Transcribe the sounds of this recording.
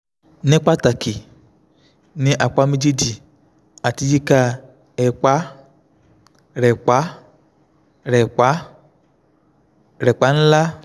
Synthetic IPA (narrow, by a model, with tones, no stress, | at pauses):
nɛ˦k͡pa˦ta˨ki˨ | nĩ˦ʔa˨k͡pa˨˦mi˦d͡ʒi˦di˨ | a˨ti˦d͡ʒi˦ka˦ | ɛ˨k͡pa˨˦ | ɾɛ˨k͡pa˨˦ | ɾɛ˨k͡pa˦ | ɾɛ˨k͡pa˨˦n̩˦la˦